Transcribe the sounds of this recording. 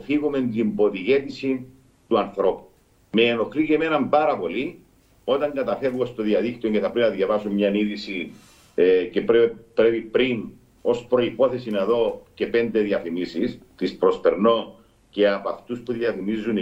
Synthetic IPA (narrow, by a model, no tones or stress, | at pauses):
fiɣume̞nt̪imbo̞t̪iʝe̞t̪isi | t̪uɐnθɾo̞pu̥ | meːno̞xliceme̞nɐmbaɾɐpo̞li | o̞t̪ɐŋɡɐt̪ɐfe̞vɣost̪oðiɐðikt̪ioɟeθɐpɾepinɐðʝɐvɐsumɲɐniðisi | cepepɾe̞pipɾin | o̞spɾo̞ipo̞θe̞sineðo̞ce̞pe̞nd̪e̞ðiɐθimisist̪ispɾo̞spe̞ɾno̞ | ce̞ɐpɐft̪uspuðjiɐθimizun